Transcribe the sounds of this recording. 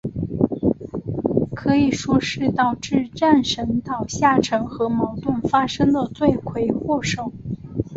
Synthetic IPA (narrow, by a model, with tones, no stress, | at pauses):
kʰɤ˧˥i˨˩ʂwɔ˥ʂɻ̩˥˧t̪ɑ˥˩˧ʊʈ͡ʂɻ̩˥˧ʈ͡ʂa˥˩nʂə˧˥nt̪ɑ˨˩ʊɕja˥˩ʈ͡ʂʰɤ˧˥ŋxɤ˧˥mɑ˧˥ʊt̪ʊ˥˩nfa˥ʂɤ˥ŋd̪ə˨t͡swe˥˩ɪkʰwe˧˥ɪxwɔ˥˩ʂɤ˨˩ŋ